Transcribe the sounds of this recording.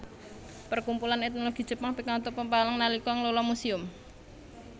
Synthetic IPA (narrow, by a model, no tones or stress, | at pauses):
pərkumpulanet̪̚noloɡ̥i̤̥ʒ̥ə̤paŋpikat̪ɔpəmpaləŋnalikɔŋlolɔmusiʊm